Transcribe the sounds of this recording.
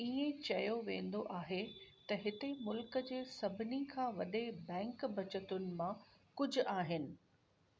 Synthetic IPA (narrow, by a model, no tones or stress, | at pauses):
iẽt͡ɕɐjoʋḛ̃ːn̆d̪oʔaːɦet̪ɐɦɪt̪emʊlkəd͡ʑeːsɐbʱɪnikʰãːʋɐɗebɛ̃ːŋkbɐt͡ɕət̪ʊnɪ̆mãkʊd͡ʑʱʊ̆aːɦɪnɪ̆